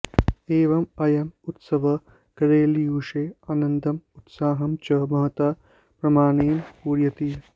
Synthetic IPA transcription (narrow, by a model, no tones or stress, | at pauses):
eːʋɐmɐjɐmut̪sɐʋɐ | kɐɾeːlijuːʂeːaːnɐnd̪ʱɐmut̪saːɦɐmt͡ʃɐmɐɦɐt̪aː | pɾɐmaːneːmpuːɾjɐt̪i